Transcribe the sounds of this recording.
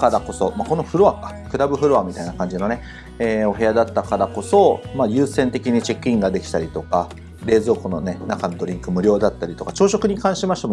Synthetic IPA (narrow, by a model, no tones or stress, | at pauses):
kaɾako̞so̞mako̞no̞ɸɯ̟ɾo̞βakḁ | kɯ̟ɾabɯ̟ɸɯ̟ɾo̞amʲit̪ainakãɲ̟d͡ʑino̞ne̞ | eːo̞ɦe̞ad̪at̪ːakaɾako̞so̞majɯ̟ːsẽ̞nt̪e̞kʲiɲ̟it͡ɕe̞kːĩŋɡad̪e̞kʲi̥t̪aɾʲit̪o̞ka | ɾe̞ːzo̞ːkono̞ne̞nakanod̪o̞ɾʲĩŋkɯ̟mɯ̟ɾʲo̞ːd̪at̪ːaɾʲit̪o̞kat͡ɕo̞ːɕo̞kɯ̟ɲ̟ikãɰ̃ɕimaɕi̥t̪m